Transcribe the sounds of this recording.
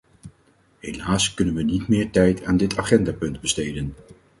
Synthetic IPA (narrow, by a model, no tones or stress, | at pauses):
ɦejlaːskɵnənʋənitmɪːɹtɛjtʰaːndɪtʰaːχɛndaːpɵndbəstejdən